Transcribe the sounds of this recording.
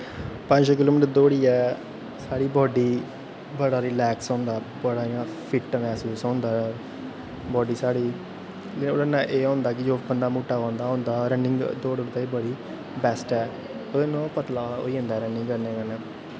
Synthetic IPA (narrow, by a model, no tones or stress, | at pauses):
pə̃ɲd͡ʒk̬ɪloːmɪʈd̪oːɽiːɛː | saːɽiːbɔːɖiː | bəɽaːɾɪlɛːksɔ̃ːnd̪aː | bəɽaːãːpʰɪʈmɛːsuːsɔ̃ːnd̪aː | bɔːɖiːsaːɽiː | oɽənːãːʔeːɔ̃ːnd̪aːkɪd͡ʒoːbənd̪aːmuːʈːaːɔ̃ːnd̪aːɦõːnd̪aːɾənɪŋɡd̪oːɽəɽt̪aːiːbəɽiː | bɛːsʈɛː | oenõːpət̪laːo̰ːiːɦə̃nd̪aːɾənɪ̃ŋɡkəɾneːkanɛː